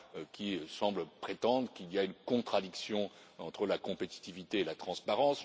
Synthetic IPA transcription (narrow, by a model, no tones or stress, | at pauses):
kʲʰisɑ̃bləpχet̪ɑ̃d̪ʁəkʲiliaynkɔ̃t̪χad̪iksjɔ̃ | ɑ̃t̪χəlakɔ̃pet̪i̥t̪ivit̪eːlat̪χɑ̃spaʁɑ̃s